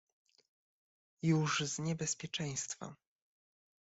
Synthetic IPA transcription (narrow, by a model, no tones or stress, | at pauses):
juʐzɲɛbɛspʲjɛt͡ʂɛ̃j̃st̪fa̰